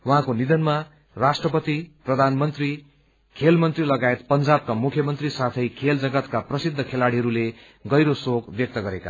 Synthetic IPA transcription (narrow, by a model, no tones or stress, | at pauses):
wʌɦãkonid̪ʌnma | rasʈrʌpʌt̪iprʌd̪ʱanmʌnt̪ri | kʰelmʌnt̪rilʌɡaet̪pʌnd͡zab̚kamukʰjʌmʌnt̪risat̪ʰʌjkʰeld͡zʌɡʌt̪kaprʌsid̪ʱːʌkʰelaɽiɦʌɾule | ɡʌjɾosokbjʌk̚t̪ʌɡʌɾeka̰